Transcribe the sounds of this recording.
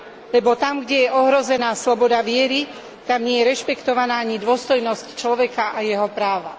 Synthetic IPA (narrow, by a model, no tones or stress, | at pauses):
lɛbɔt̪amɡɟɛjɛʔɔɦɾɔzɛnaːslɔbɔd̪aʋɪɛɾi | t̪amɲɪɛjɛɾɛʃpɛkt̪ɔʋanaːaɲid̪ʊɔst̪ɔjnɔsct͡ʃlɔʋɛkaajɛɦɔpɾaːʋa